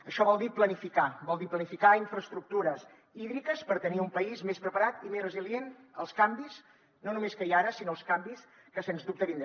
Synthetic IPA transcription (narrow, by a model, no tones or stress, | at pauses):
əʃɔβɔlˠd̪iplənifikabɔlˠd̪iplənifikaiɱfɾəst̪ɾuk̚t̪uɾəs | iðɾikəspəɾt̪əniumpəizmespɾəpəɾat̪imezrəziljenəlˠskambiz | nonumeskəiaɾəsinoəlˠskambis | kəsenzdup̚t̪əβind̪ɾə